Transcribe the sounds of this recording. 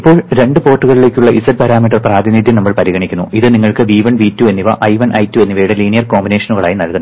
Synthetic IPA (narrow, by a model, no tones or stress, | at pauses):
ipːo̞ːɭɾe̞ɳɖɨpo̞ːrʈːuɣɐɭile̞ːkʲːuɭːɐʔisɐt̚pɐɾaːmiʈːɐrpraːðinid̪jinɐmːɐɭpɐɾiɣɐɳikʲːunːuʔiðɨniŋːɐɭkɨʋiːʋɐnʋiːtːue̞nːiʋɐ̰ʔɐjʋɐnʔɐjtːue̞nːiʋɐjɽeliːnijɐrko̞ːmbine̞ːʂɐnuɣɐɭa̰ːjinɐlkunːɐ